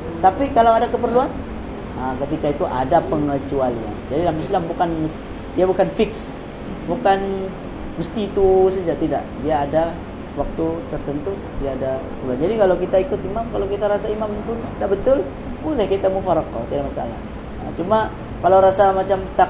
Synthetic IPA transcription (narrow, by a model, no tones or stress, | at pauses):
t̪apikalawadakəpərluan | əkət̪ikait̪uʔa̰dapəŋlat͡ʃualia̰nd͡ʒadidlamislambukanməst̪ | diabukanfɪks | bukan | məst̪iːt̪usəd͡ʒaʔt̪ida̰ʔdiaːda | wak̚t̪ut̪ərt̪ənt̪u | diaːdapərluand͡ʒadikalawkit̪aikʊt̪imamkalawkit̪aɾasaimampʊnadaʔbət̪ʊl | bolɛhkit̪amufaɾaka̰t̪idaʔmasa̰lah | ə̰t͡ʃuma | kalawɾasamat͡ʃamt̪a